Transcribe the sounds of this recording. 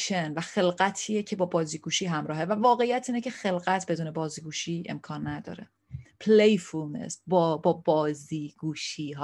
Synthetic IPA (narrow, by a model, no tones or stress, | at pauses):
ʃʰenvæxe̞lɢæt̪ʰiːjecʰe̞bɒːbɒːziːɡuːʃiːɦæmɾɒːɦe̞vævɒːɣe̞ijæt̪ʰiːnecʰe̞xe̞lɣæt̪ʰbed̪uːne̞bɒːziːɡuːʃiːḛmkʰɒːnːæd̪ɒ̰ːɾe | pʰlejfulmḛst̪bɒbɒːbɒːziːɡ̥uːʃiːɦ